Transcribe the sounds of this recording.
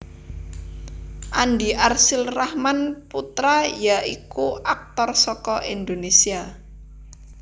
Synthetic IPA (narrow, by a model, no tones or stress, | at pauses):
ʔanɖiʔarsɪlrahmanput̪ɾajaʔikuʔak̚t̪ɔrsɔkɔʔind̪onesia